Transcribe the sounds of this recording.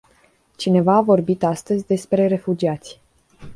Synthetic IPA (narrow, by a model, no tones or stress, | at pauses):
t͡ʃine̞vaːvo̞rbit̪ast̪əzʲd̪e̞spɾe̞ɾe̞fud͡ʒiat̪sʲ